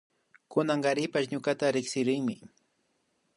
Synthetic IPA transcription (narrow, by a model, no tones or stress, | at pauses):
kʊnaŋɢɑɾɪpaʃɲʊkat̪aɾɪksɪɾɪŋmɪ